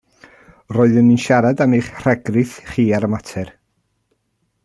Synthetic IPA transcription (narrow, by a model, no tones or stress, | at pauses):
roːɨðəninʃaɾadamiːχr̥ɛɡrɪθχiːaɾəmatʰɛr